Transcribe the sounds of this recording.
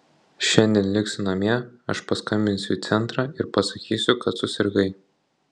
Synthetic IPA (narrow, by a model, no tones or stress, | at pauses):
ʃʲɛnʲd̪ʲiɛnlʲɪksʲʊnɐmʲɛɐʃpɐskɐmʲbʲɪnʲsʲʊiːt̪sʲɛnt̪ɾɑːɪɾpɐsɐkʲiːsʲʊkɐt̪sʊsʲɪɾɡɐɪ